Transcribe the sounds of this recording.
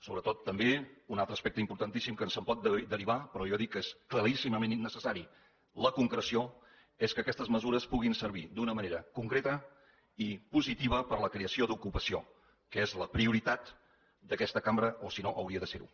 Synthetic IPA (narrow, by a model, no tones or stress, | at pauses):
soβɾət̪ot̪ːəmbeunalˠt̪ɾəspɛk̚t̪əimpuɾt̪ənt̪isimkənsəmpɔt̪̚d̪əd̪əɾiβ̞apɾɔjɔðikːeskləɾisiməmenːəsəsaɾi | ləkuŋkɾəsio | eskəːkɛst̪əzməzuɾəspuɣinsəɾβ̞id̪unəməneɾəkuŋkɾet̪ə | ipuzit̪iβ̞əpəɾləkɾeəsiod̪ukupəsio | kəezləpɾiuɾit̪at̪ | d̪əkɛst̪əkambɾəʔosinoʔəwɾiəðəseɾṵ